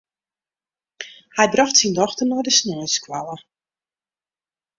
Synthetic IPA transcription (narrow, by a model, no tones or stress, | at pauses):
hɛjbrɔxtsindɔxtərnɔdəsnøːskwalˠə